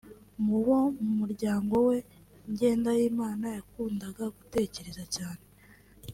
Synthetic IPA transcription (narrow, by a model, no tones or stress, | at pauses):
muβo̞mumuɾɟaːŋɡo̞we̞ | ɲɟe̞ːndajiːmaːnajakuːndaɡaɡute̞ːce̞ɾe̞zacaːne̞